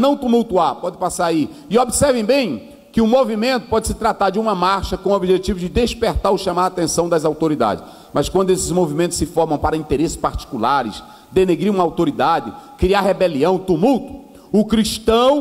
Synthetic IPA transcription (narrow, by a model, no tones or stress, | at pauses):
nɐ̃w̃t̪umuwt̪uapɔd͡ʒɪpasaɾai | ɪobisɛɾvẽj̃bẽj̃ | kɪʊmovimẽnt̪ʊ̥pɔd͡ʒɪsɪ̥t̪ɾat̪aɾd͡ʒɪũmɐmaɾʃɐkõobiʒet͡ʃivʊd͡ʒɪd̪espeɾt̪aɾʊʃɐ̃maɾaːt̪ẽsɐ̃w̃d̪ɐzawt̪oɾid̪a̰d͡ʒɪ | mɐskwɐ̃nd̪ʊesɪzmovimẽnt̪ʊsɪfɔɾmɐ̃w̃paɾɐĩt̪eɾesɪ̥spaɾt͡ʃi̥kulaɾɪs | d̪eneɡɾiɾũmɐawt̪oɾid̪ad͡ʒɪkɾiahebeliɐ̃w̃t̪umuwt̪ʊ̥ | ʊkɾiʃt̪ɐ̃w̃